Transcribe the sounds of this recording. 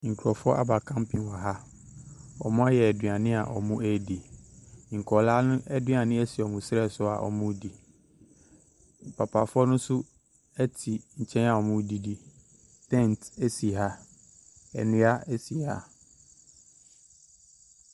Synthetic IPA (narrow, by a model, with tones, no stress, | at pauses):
ŋ̩˨kʰu˨ɾɔ˨fʊ˦ɔ˦a̰˦ba˨kʰã˦mpʰĩ˨nwa˨ɦa˦ | ɔ̰˨mʊ̃˦a˦jɛ˨ɛ˨dɥa˨nɪ̃˦a˨ʔɔ̰˨mũ˦æ˦di˨ | ŋ̩˨kʰɔ˨laː˦nʊ̃˦ʔɛ˦dɥa˨nɪ̃˦æ˦si˨ɔ˨mũ˨sɪ˦ɾɛ˦˨sʊ˦a̰˨ʔɔ̰˨mʊ̃˦di˨ | pʰa˨pʰa˨fʊ˦ɔ˦nʊ̃˦sʊ˦ | ɛ˦tʰi˨ɲ̩˨t͡ɕʰɛ̃˦na˨ɔ˨mʊ̃˦di˨di˨ | tʰɛ̃˦˨n˨te˦si˨ɦa˦ | ɛ˨nɪ̃˦a˦æ˦si˨ha̰˨